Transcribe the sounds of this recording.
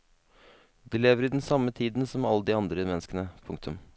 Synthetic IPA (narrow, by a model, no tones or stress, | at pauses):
d̪eleːʋəɾɪd̪ɛnsɑmːət̪ʰiːd̪n̩sɔmɑlːəd̪ɪːɑnd̪ɾəmɛnːəskənəpʰʊŋk̚t̪ʰʉm